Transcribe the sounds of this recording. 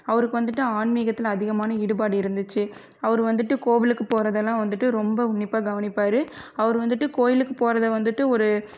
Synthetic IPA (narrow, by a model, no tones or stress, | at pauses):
ɐʋɐɾɯkːɯʋɐnd̪ɯʈːɯaːnmiːɣɐt̪ːɪlɐðɪɣɐmaːnɐɪɽɯpaːɽɯɪɾɯnd̪ɯt͡ʃːɯ | ɐʋɐɾɯʋɐnd̪ɯʈːɯkoːʋɪlɯkːɯpoːɾɐðɛlːãːʋɐnd̪ɯʈːɯɾɔmbɐʊɳːɪpːaːɡɐʋɐnɪpːaːɾɯɐʋɐɾɯʋɐnd̪ɯʈːɯkoːjɪlɯkːɯpoːɾɐðɐʋɐnd̪ɯʈːɯɔɾɯ